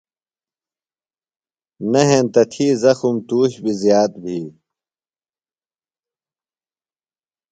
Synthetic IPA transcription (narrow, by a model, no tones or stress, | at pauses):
nɐɦẽnt̪ɐt̪ʰiːzɐxumt̪uːɕbizjaːt̪̚bʱiː